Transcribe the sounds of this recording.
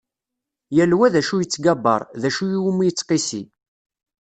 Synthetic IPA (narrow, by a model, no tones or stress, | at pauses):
jælwæðæʃujət͡sːɡabːɑ̰ɾˤðæʃujiwumijət͡sːqisi